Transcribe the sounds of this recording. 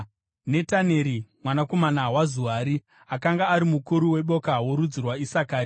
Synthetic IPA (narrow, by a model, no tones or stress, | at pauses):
ne̞tane̞ɾimwanako̞manawazuaɾi | akaŋɡaːɾimukuɾuwe̞ɓo̞kawoɾud͡zirwaisakaːɾi